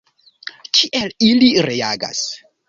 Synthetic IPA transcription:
kʰiʔeliliɾeaɡa̰s

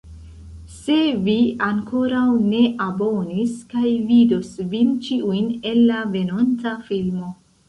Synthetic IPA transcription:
se̞viaŋko̞ɾawne̞ʔabo̞niskajvidosvint͡ʃiujne̞nːave̞nont͡safilmo̞

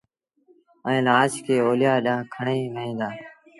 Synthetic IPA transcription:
ɛ̃ːlaːskʰeːoːljaːɗãːkʰəɳeːʋəɦĩːd̪aː

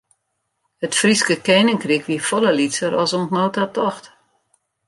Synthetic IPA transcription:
hətfriskəkeːnɪŋkrikʋiəfɔləlitsəɾɔsɔntnoːtatɔxt

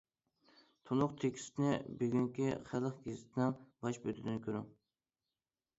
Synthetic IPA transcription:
t̪ʰunʊqt̪ʰekʲʰi̥st̪nɪbeɡʲyŋkʲiχælˠəχɡʲezɪt̪ʰnɪŋbɑʃbøt̪ʰɪd̪ɪnkʰʲøɾʊŋ

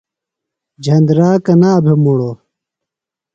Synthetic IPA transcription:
d͡ʑʱɐnd̪ɾaːkɐnaːbʱemuɽo

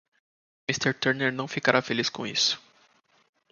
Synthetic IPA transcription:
mist̪eɾt̪ɛɾneɾnɐ̃w̃fikaɾʔafeliskõḭsʊ̥

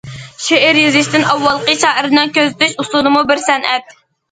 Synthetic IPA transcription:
ʃeʔɪɾjyzɪʃt̪ɪnɑwːɑlˠqəʃɑːʔəɾɨnɨŋkʲøzt̪yʃusunɨmubɪɾsɛnʔɛt̪̚

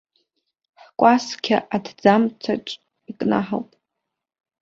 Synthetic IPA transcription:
ħkʷʼaskʲʰa̰ʔadʰd͡zamt͡sʰaʈ͡ʂʷʼ | ikʼna̰ħa̰wpʼ

